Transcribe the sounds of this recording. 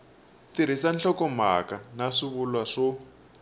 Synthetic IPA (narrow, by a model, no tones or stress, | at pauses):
tiɾ̤isanɬʰɔkɔma̰kanaʂiβulwaʂɔ